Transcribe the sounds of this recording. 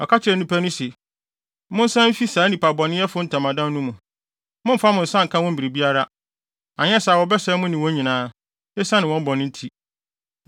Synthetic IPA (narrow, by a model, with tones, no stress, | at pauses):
ɔ˨kʰa˦t͡ɕʰɪ˦ɾɛ˨n˨ĩ˦pʰa˦nʊ̃˦se˨˦ | mʊ̃˦n̩˦sã˦m̩˦fi˦saː˨˦nĩ˨pa˨bɔ˨nɪ̃˦jɛ˦fʊ˦n̩˦tʰã˨mã˨dã˦nũ˦mũ˨ | mʊ̃˦m̩˦fa˦mʊ̃˨n̩˨sã˦ŋ̩˨kʰã˦wɔ̃˦m̩˦bi˨ɾi˨bi˦a˦ɾa˦ | ã˨ɲ˦ɛ̃˦sa˨wɔ˨bɛ˦sɛ˦mʊ̃˦nɪ̃˨wɔ̃˦ɲĩ˨nãː˨˦ | nɛ˦sã˦nɪ̃˨wɔ̃˦m̩˦bɔ˨nɪ̃˦n̩˦tʰi˦